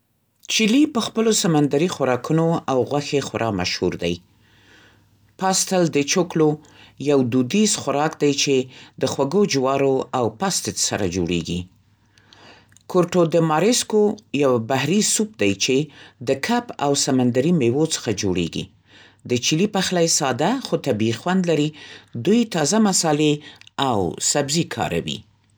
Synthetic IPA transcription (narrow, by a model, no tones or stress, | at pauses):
t͡ʃilipəxpəlosamand̪aɾixwaɾɑkunoawɣwaxexaɾʔɑma̰ʃhṵɾd̪a̰j | pɑst̪ald̪ət͡ʃoklo | jawd̪ud̪izxʊɾɑkd̪ajt͡ʃed̪əxwaɡod͡ʒwɑɾoawpɑst̪et̪sa̰ɾa̰d͡ʒo̰ɽḛɡḭ | koɾʈod̪əmɑɾɪskojawbahɾisup̚d̪ajt͡ʃed̪əkʰapa̰wsamand̪aɾimewot͡sə̥xad͡ʒoɽḛɡḭ | d̪ət͡ʃilipaxlajsɑd̪axot̪abixwand̪laɾid̪ujt̪ɑzamasɑleawsabzikʰɑ̰ɾa̰wḭ